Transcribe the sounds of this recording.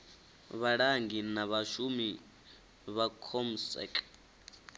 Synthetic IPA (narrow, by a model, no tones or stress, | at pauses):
βaɺaŋɡinaβaʃumi | βakʰom̩sɛ̰kʼ